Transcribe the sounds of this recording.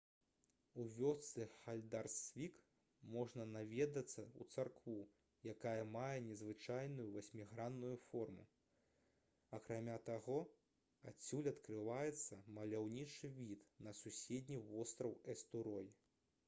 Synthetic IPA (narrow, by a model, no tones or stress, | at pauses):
uvʲɔst̪sɨxalʲd̪arsvʲik | mɔʐnɐnavʲɛd̪ɐt̪sːɐṵt̪sarkvu | jakajɐmajɛnʲɛzvɨt͡ʂajnujuvasʲmʲiɣɾanːujufɔrmṵ | ɐkɾamʲat̪aɣɔ | at͡sʲːulʲɐt̪kɾɨvajɛt̪sːɐmɐlʲawnʲit͡ʂɨvʲit̪nɐsusʲed̪ʲnʲivɔst̪ɾɐwɛst̪uɾɔji